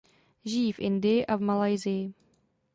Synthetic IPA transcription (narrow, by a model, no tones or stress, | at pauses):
ʒɪjiːfʔɪndɪjɪʔavmalajzɪjɪ